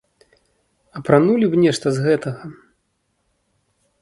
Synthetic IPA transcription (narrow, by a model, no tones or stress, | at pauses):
ɐpɾanulʲibnʲɛʂt̪ɐzɣɛt̪ɐɣɐ